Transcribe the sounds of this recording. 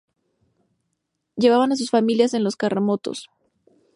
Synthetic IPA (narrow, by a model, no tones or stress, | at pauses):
ɟ͡ʝe̞βaβanas̬usfamiljase̞nlo̞skaramo̞t̪o̞̰s